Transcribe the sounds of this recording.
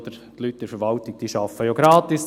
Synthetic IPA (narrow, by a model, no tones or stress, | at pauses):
d̪əɾ | t̪lyt̚d̥ɛɾfɛɾʋɑlt̪ɪɡ̥̚d̥iːʃɑfəjoɡ̥ɾɑːt̪ɪs